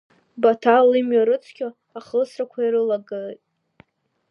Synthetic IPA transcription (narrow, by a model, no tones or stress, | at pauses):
batʰalɨmɥaɾɨt͡sʰkʲʰʼa | aχəlsrakʷʰaiɾɨlaɡɨltʼ